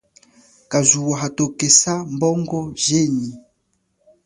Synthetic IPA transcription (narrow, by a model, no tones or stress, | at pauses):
kazuwaɦatokɛsambɔŋɡɔʒeɲi